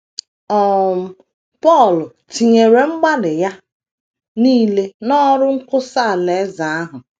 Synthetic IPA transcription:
ɔ˦m̩˨ | pɔ˦˨lʊ˨ | ti˨ɲe˨ɾe˨ŋ͡m̩˦ɡ͡ba˦dɪ˨ja˦ | niː˦le˦nɔ˦ɾʊ˦ŋ̩˦kʊ˦sa˦˨le˨˦za˨a˦ɦʊ˨

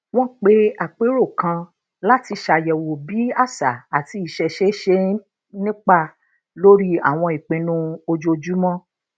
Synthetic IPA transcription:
w̃ɔ̃˦k͡pe˦a˦˨k͡pe˨˦ɾo˦˨kã˧ | la˦ti˧ʃa˨jɛ˨wo˨bi˨˦a˦˨sa˨a˨ti˧˦i˨ʃɛ˧ʃe˦ʃe˧˦ | nĩ˦k͡pa˧˨ | lo˦ɾi˦a̰˦˨w̃ɔ̃˧i˨k͡pĩ˨˧nũ˦o˧d͡ʒo˧d͡ʒu˦mɔ̃˦

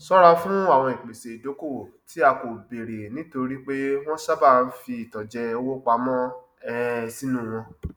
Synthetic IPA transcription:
sɔ˦ɾa˧fũ˦a˦˨w̃ɔ̃˧˨i˨k͡pe˨se˨do˨˦ko˦˨ | tʰi˨˦a˧ko˨be˨ɾe˨nĩ˨˦to˧ɾi˦k͡pe˦w̃ɔ̃˦ʃa˦ba˦˨˦fi˧i˨tɔ˨d͡ʒɛ˧o˧wo˦k͡pa˧mɔ̃˦ | ɛ˦si˦nũ˦˨w̃ɔ̃˧

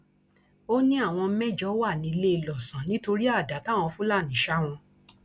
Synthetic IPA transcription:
o˦nĩ˦a˦˨w̃ɔ̃˧˦mɛ̃˦d͡ʒɔ˨˦wa˦˨nĩ˨˧le˦i˧lɔ˨sã˨˦nĩ˨˦to˧ɾi˦a˦˨da˨˦ta˦˨w̃ɔ̃˧fũ˦la˦˨nĩ˨˦ʃa˦w̃ɔ̃˧

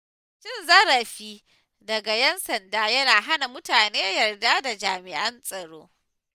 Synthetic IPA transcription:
ʃɪ˦˨nzɐ˦ɾɐ˨ɸiː˦ | dɐ˨ɡa˨jɐ˦nsɐ˨ndaː˦jɐ˦naː˨ɦa˦na˨mʊ˦taː˨neː˦jɐ˨rdaː˦da˨d͡ʒaː˨mɪ˨ʔɐ˦nsʼɐ˨ɽo̰ː˦

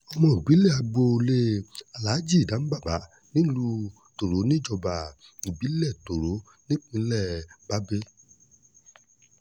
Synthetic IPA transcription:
ɔ˧mɔ̃˧˨i˨bi˨˦lɛ˦˨a˧ɡ͡bo˧le˦a˧la˨˦d͡ʒi˦˨dã˨˦n̩˦ba˦˨ba˨˦ | nĩ˦lu˧ | to˨ɾo˨˦nĩ˦d͡ʒɔ˧ba˨ | i˨bi˨˦lɛ˦˨to˨ɾo˨˦ | nĩ˦k͡pĩ˧˦lɛ˦˨ba˨˦be˦

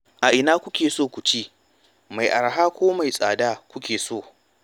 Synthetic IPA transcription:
ʔa˨ʔɪ˨naː˦kʷʊ˦kʲeː˨soː˦˨kʷu˨t͡ʃi˦ | ma˨jʔa˨ɾɦaː˦kʷoː˦ma˨jsʼaː˨daː˦kʷʊ˦kʲeː˨soː˦˨

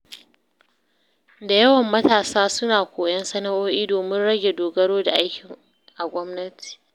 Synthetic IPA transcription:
da˨jɐ˦wɐ˨mːɐ˦taː˨saː˦sʊ˦naː˨kʷoː˨jɐ˦nsɐ˦na˦ʔoː˦ʔiː˦doː˨mɪ˦nɽɐ˦ɡʲe˨doː˨ɡɐ˦ɽoː˦da˨ʔa˦jkʲɪ˨ŋ | ʔa˨ɡʷɔ˦mnɐ˦tʰi̥ː˨

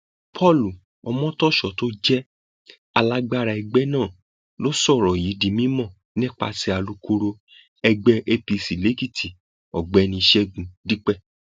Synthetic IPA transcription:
pʰɔ˦˨lu˨ | ɔ˧mɔ̃˦tɔ˦ʃɔ˨to˦d͡ʒɛ˦ | a˧la˦ɡ͡ba˦ɾa˧ɛ˧ɡ͡bɛ˦nãː˦˨ | lo˦sɔ˦˨ɾɔ˨ji˨˦dĩ˧˦mĩ˦mɔ̃˦˨ | nĩ˦k͡pa̰˧ti˧˦a˨lu˨˦ko˧ɾo˧ | ɛ˧ɡ͡bɛ˧ʔe˧pi˧si˨le˨˦ki˦˨tʰi˨ | ɔ˨ɡ͡bɛ˨˦nĩ˧i˧ʃɛ˦ɡũ˧di˦k͡pɛ˦˨

